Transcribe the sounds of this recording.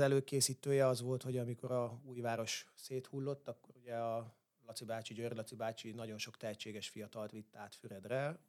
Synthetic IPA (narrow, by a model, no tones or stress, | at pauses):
ɛløːkeːsiːt̪øːjɛɒzʋo̞lt̪ho̞ɟɒmiko̞ɾɒuːjvaːɾo̞ʃseːt̪hulːo̞t̪ːɒkːo̞ɾuɟɛɒ | lɒt̪sibaːt͡ʃiɟørlɒt̪sibaːt͡ʃinɒɟo̞nʃo̞kt̪ɛɦɛt͡ʃːeːɡɛʃfijɒt̪ɒlt̪ʋit̪ːaːt̪fyɾɛd̪rɛ